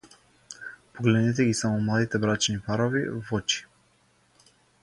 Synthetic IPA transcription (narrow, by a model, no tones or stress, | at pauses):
pɔɡlɛd̪nɛt̪ɛɡisamɔmlˠad̪it̪ɛbɾat͡ʃnipaɾɔvivɔt͡ʃi̥